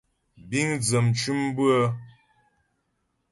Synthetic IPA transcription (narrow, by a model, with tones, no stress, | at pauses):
bi˦ŋd͡zə˨mt͡ʃu˦mbɨ˦ə˦